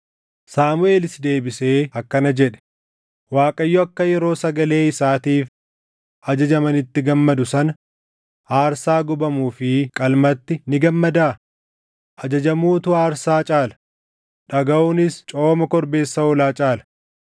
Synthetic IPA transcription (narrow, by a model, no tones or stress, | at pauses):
saːmʊe̞ːlɪsd̪e̞ːbɪse̞ːɐkːɐnɐd͡ʒɛᶑɛ̥ | waːkʼɐjːɔɐkːɐjɛɾo̞ːsɐɡɐle̞ːɪsaːt̪iːf | ʔɐd͡ʒɐd͡ʒɐmɐnɪt̪ːɪɡɐmːɐd̪ʊsɐnɐ | haːɾsaːɡʊbɐmuːfɪkʼɐlmɐt̪ːɪnɪɡɐmːɐd̪aː | ʔɐd͡ʒɐd͡ʒɐmuːt̪ʊaːɾsaːt͡ʃʼaːlɐ̥ | ᶑɐɡɐunɪst͡ʃʼo̞ːmɐkɔɾbe̞ːsːɐɔlaːt͡ʃʼaːlɐ̥